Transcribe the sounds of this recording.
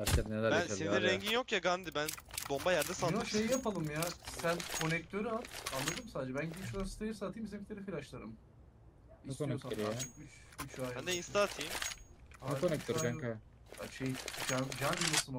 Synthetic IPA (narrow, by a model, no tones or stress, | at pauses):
aɾkʰad̪nelæɾbæanslʲend̪ɛɾɛɲɟinjo̞kjaɡand̪ibænbo̞mbajaɾd̪asalnʃejijapalˠɯmjaːsænʲkʰo̞nɛct̪ʰøɾyat̪anlˠad̪ɯmsaːd̪ed͡ʒɛbænɟibʃuɾasi̥t̪ʰajɯsat̪ʰijːmseclʲeɾifilʲaʃlˠaɾɯm | niukonɛosaøɾjat͡ʃɯkyt͡ʃ | yt͡ʃʰajand̪ainst̪ʰat̪ʰimanukonɛk̚t̪ʰøɾɾaŋka | a̰ʃejd͡ʒad͡ʒanɡilasɯm